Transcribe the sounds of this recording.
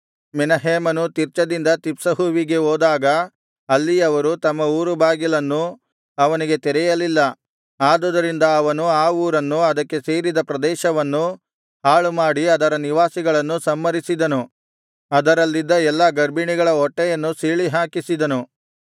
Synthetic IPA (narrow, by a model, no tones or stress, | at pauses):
minɐɦeːmɐnut̪iɾt͡ʃɐd̪ind̪ɐt̪ipsɐɦuːʋiɡe̞oːd̪aːɡɐ | ɐlːiɐʋɐɾut̪ɐmːɐuːɾubʱaːɡilɐnːu | ɐʋɐniɡe̞t̪ɛɾɛjɐlilːɐ | aːd̪ɐd̪ɐɾind̪ɐːʋɐnuaːuːɾɐnːuɐd̪ɐkːe̞seːɾid̪ɐpɾɐd̪ɛːʃɐʋɐnːu | haːɭumaːɽiɐd̪ɐɾɐniʋaːsiɡɐɭɐnːusɐmːɐɾisid̪ɐnu | ɐd̪ɐɾɐlːid̪ːɐɛlːɐɡɐɾbiɳiɡɐɭɐɔʈːɛjɐnːusiːɭiɦaːkisid̪ɐnu